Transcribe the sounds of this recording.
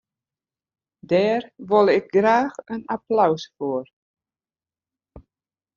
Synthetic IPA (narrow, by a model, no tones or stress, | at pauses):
dɛːrʋolˠɪk̚ɡraːxənaplawsfoər